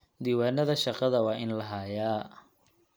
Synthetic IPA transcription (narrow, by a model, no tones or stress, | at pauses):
d̪iːwaːnɐðɐʃɑqɑðɐwɑːʔɪnlɐɦaːjaː